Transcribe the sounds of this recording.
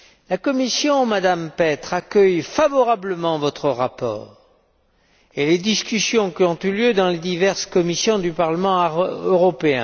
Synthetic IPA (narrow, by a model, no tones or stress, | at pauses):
lakɔmisjɔ̃mad̪ampɛt̪χakʲœjfavɔʁabləmɑ̃vɔt̪χəʁapɔ̰ːʁ | eled̪iskʲysjɔ̃kʲiɔ̃t̪yljød̪ɑ̃led̪ivɛʁskɔmisjɔ̃d̪ypaʁləmɑ̃øʁɔpeɛ̃